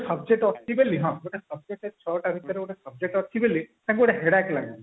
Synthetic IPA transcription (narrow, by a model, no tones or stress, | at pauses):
səbd͡ʒek̚ʈɔt̪ʰːibeliɦãɡoʈesəb̚d͡ʒek̚ʈet͡ʃʰɔʈabʱit̪əɾeoɽesəb̚d͡ʒek̚ʈɔt̪ʰːibelit̪ãŋkoɽeɦeɽakelaɡɔ